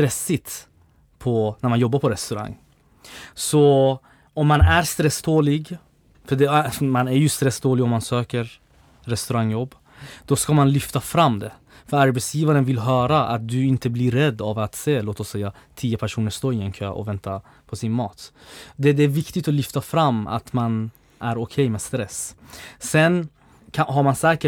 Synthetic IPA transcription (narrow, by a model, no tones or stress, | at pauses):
t̪ɾɛsːɪt̪ | pʰɔnæɾmanjɔbːaɾpʰɔɾɛst̪ɵɾa̰ŋː | sɔ | ɔmːanæɾst̪ɾɛsd̪oːlɪɡ | fœɖɛmanæɾjʉst̪ɾɛsːd̪oːlɪɡɔmːansøːkəɾ | ɾɛst̪ɵɾaŋːjɔbː | d̪̥ɔskamanlʏft̪afɾamːd̪ɛ | fœɾaɾbɛt̪sjiːvaɾənvɪlɦœːɾaʔa̰t̪̚d̪ɵɪnt̪əbliɾːɛd̪ːavat̪seːloːt̪ɔsːɛjːa | t̪ʰiːəpʰæʂuːnəʂt̪oːɪɛnkʰø̰ːʔɔ̰vɛnt̪a | pʰɔsɪnmɑːt̪d̪ɛd̪ɛæːɾvɪkt̪ɪt̪ɔlʏft̪afɾamːa̰t̪man | ʔæɾʊkʰɛjmɛːst̪ɾɛsː | ɛn | kʰaɦaɾmansɛːkə